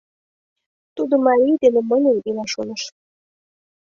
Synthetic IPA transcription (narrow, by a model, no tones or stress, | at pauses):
t̪ud̪omɑɾʲijd̪enĕmənʲənilɑʃonə̆ʃ